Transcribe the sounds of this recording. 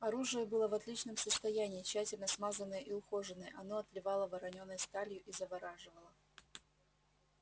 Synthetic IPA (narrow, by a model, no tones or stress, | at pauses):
ɐɾuʐɨjəbɨlˠəvɐt̪lʲit͡ɕnəmsəst̪ɐjænʲɪːt͡ɕːætʲɪlʲnəsmazənːəjəʔiʊxo̞ʐɨnəjəʔɐnoɐt̪lʲɪvɑlˠəvɐɾɐnʲo̞nːəjst̪alʲjʊʔizəvɐɾaʐɨvəlˠə